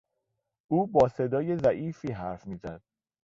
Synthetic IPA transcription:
ʔuːbɒːse̞d̪ɒːje̞zæʔiːfiːɦæɾfmiːzæd̪̥̚

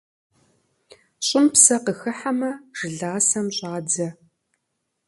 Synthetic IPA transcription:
ɕʼɪmpsɐqəxɨħamɐʒ̥ɨɮaːsɐmɕʼaːd͡zɐ

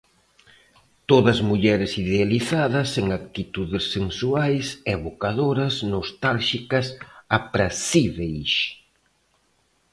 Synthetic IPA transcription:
t̪oðɐzmuʎɛɾɪsiðealiθaðɐseŋak̚t̪it̪uðɪsːeŋsuajsɛβokaðoɾɐsnost̪alʃikɐsapɾasiβejʃ

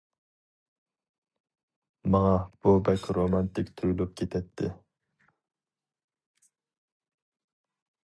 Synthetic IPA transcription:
mɑŋɑb̥ubɛkʲɾomɑnt̪ʰɪkʲt̪ʰyɾlyp̚kʲʰet̪ʰɛt̪ʰːɪ̰

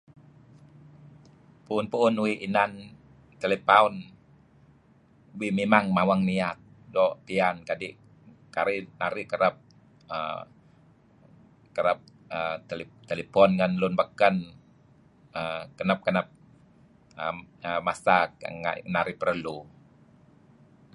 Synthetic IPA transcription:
puʊnpuːnwiʔinan | t̪elepaun | wimemaŋmawaŋniat̪̚ | dɔʔpiankadiʔ | kaɾinaɾikəɾap̚ | ə̰ | kəɾap̚ | ət̪elt̪elipɔnŋanlʊnbakən | əkənap̚kənap̚ | əəmasakŋa̰naɾipəɾlu

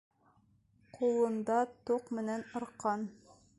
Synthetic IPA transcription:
qulˠɤ̆nd̪ɑt̪uqmɘ̆nænŏɾqɑn

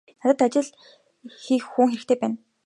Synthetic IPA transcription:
nat̪ə̆t̪at͡ɕɪ̆ɮ | xiːxxuːŋxeɾɘ̆kt̪ʰeːpæːn

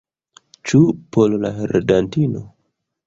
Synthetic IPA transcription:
t͡ʃupololaheɾedantino

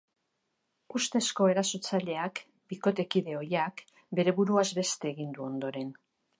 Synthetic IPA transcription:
ust̪e̞sko̞e̞ɾasot͡saʎe̞ak | biko̞t̪e̞kiðe̞o̞jak | be̞ɾe̞βuɾuazβe̞st̪e̞ːɣind̪uo̞nd̪o̞ɾe̞n

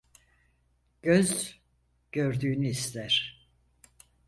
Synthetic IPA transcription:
ɟ̥øz | ɟ̥ø̞ɾd̪yːnyist̪ʰæɾ̥

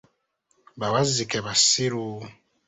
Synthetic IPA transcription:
bawazikɛβasiɾu

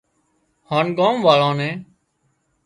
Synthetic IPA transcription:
haːnɡãːmʋaːɭãːnɛ̃ː

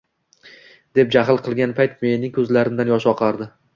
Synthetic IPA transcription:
d̪e̞p̚d͡ʒaɦlˠqʰɨlˠɡʲanpʰajt̪̚me̞nɪŋkʲʰɵzlaɾɪmd̪anjɒʃɒqʰɑɾd̪ɪ

